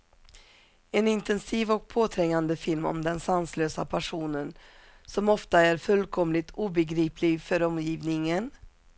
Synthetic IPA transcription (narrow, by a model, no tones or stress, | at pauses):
ɛnɪnt̪ɛnsiːvɔk̚pʰoːt̪ʰɾɛŋːand̪əfɪlmɔ̰md̪ɛnsansløːsa̰pʰæʂuːnən | sɔmɔft̪aæɾfɵlkʰɔmlɪt̪ʰuːbɛɡɾiːpʰlɪɡfœɾɔmjiːvnɪŋən